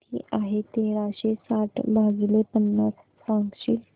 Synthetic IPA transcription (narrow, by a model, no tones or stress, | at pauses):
t̪ḭːʔaɦet̪eɾaɕesaʈʰbʱaɡilepənːət͡s | sãŋɡɕiːl